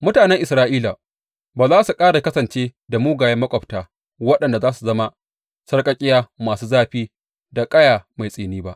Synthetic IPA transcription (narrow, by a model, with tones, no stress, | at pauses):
mʊ˦taː˨nɛ˦ŋʔɪ˨sɾaː˦ʔiː˦la˨ | baː˨zaː˦su˨kʼaː˦ɽa˨kɐ˦sɐ˨nt͡ʃeː˦da˨muː˦ɡaː˨jɐ˦mːɐ˦kʷʼɔ˨ptaː˨ | wɐ˦ɗɐ˨nda˨zaː˦su˨zɐ˦ma˦ | sɐ˦rkʼɐ˦kʲʼɪ˦jaː˦maː˨suː˦zaː˦ɸiː˦ | da˨kʼɐ˦jaː˨ma˨jsʼeː˨niː˦ba˦ʔ